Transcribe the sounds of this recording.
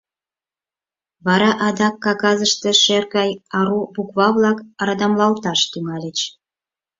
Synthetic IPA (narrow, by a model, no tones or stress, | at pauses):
βɑɾɑʔɑd̪ɑkːɑɣɑzəʃt̪eʃerɣɑjɑɾubukβɑβlɑkɑɾɑd̪ɑmlɑlt̪ɑʃt̪yŋɑlʲet͡ɕ